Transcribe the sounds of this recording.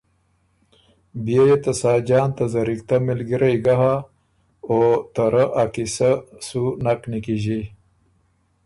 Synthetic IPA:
bijejet̪ɐsaːd͡ʒɑːnt̪azɐɾik̚t̪amɪlɡiɾajɡaɦa | ot̪aɾəʔakisasunaknikiʒi

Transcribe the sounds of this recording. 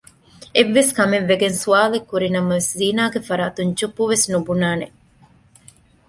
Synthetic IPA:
eʋːeskɐmenʋːeɡensuaːlekːuɾinɐmɐʋesziːnaːɡefɐɾaːt̪uɲt͡ʃupːuʋesnubunaːne

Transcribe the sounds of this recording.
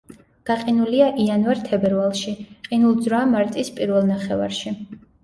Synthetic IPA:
ɡ̥aqʼinuliaʔianvaɾt̪ʰɛbɛɾvalˠʃiqʼinulˠd̪zɾɔamaɾt̪ʼispʼiɾvɛlˠnaχɛva̰ɾʃi

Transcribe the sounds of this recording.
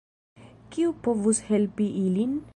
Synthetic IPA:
kiupovushelpiʔilin

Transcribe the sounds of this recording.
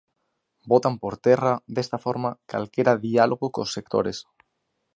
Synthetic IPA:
bot̪ampoɾt̪eraðest̪afoɾmaka̰lkeɾaðialoɣokosːek̚t̪o̰ɾes

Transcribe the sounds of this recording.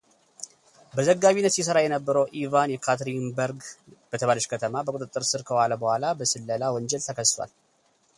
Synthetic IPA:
bəzəɡːaβinːət̪sjis̬əɾajɛnəbːəɾəwʔivanjɛkʰat̪ɾinbəɾɡb̥ət̪ʰəβaləʃkʰət̪ʰəmabəkʼut̪ʼɨt̪ʼːɨɾsɨɾkʰəwalabəhʷalabəsɨlːəlawɔɲd͡ʒɛlt̪ʰəkʰəst̪ʰwa̰l

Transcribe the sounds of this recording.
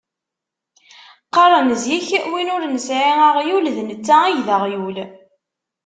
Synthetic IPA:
qːɑɾˤənəzjiçwinʊɾnəsʕiəʁjulðnət͡sːæijðəʁjul

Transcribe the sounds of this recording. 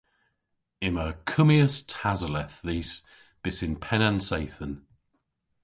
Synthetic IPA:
ɪməkʰəmiəstʰazəlɛθðiːs | b̥ɪsɪnpʰɛnãnsejθən

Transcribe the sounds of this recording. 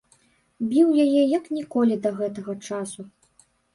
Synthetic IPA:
bʲiwjajɛjɐknʲikɔlʲid̪ɐɣɛt̪ɐɣɐt͡ʂasu

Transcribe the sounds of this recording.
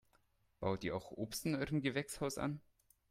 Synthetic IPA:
b̥aʊtiːɐaʊxʔoːpstn̩ɔɪʁəmɡəvɛkshaʊsa̰n

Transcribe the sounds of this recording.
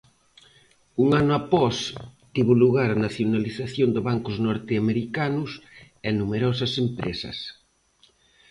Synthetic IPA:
uŋanʊapɔst̪iβʊluɣaɾanaθjonaliθaθjond̪ɪβaŋkʊznɔɾt̪eameɾikanʊs | ɛnumeɾɔsɐsempɾḛsɐ̰s

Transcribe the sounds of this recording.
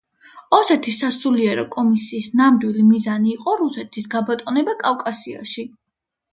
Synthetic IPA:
ɔsɛt̪ʰisːasuliɛɾɔkʼɔmisiːsnamd̪wilimizaniːqʼɔɾusɛt̪ʰisɡabat̪ʼɔnɛbakʼafkʼasia̰ʃi

